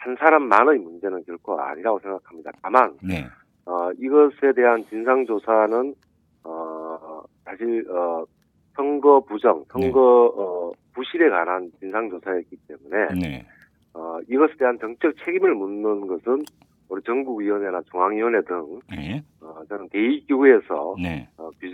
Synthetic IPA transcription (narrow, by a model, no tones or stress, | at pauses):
hansʰaɾamːanɯimund͡ʑe̞nɯnkjʌɭkʰoa̰ɲiɾaɡosʰe̞ŋɡakʰamɲida̰taman | ʌiɡʌsʰe̞de̞ɦant͡ɕinsʰaŋd͡ʑosʰanɯn | ʌ | sʰaɕʰiɭʌ | sʰʌŋɡʌpud͡ʑʌŋsʰʌŋɡʌʌpuɕʰiɾe̞kanant͡ɕinsʰaŋd͡ʑosʰaek͈it͈̚e̞mune̞ | ʌiɡʌsʰede̞ɦant͡ɕʌŋt͡ɕ͈ʌk̚t͡ɕʰe̞ɡimɯɭmunːɯnɡʌsʰɯn | oɾit͡ɕʌŋɡuɡɥiwʌne̞nat͡ɕuŋɦaŋɥiwʌne̞dɯŋ | ʌt͡ɕʌnɯnte̞ikiue̞sʰʌ̰ʌkju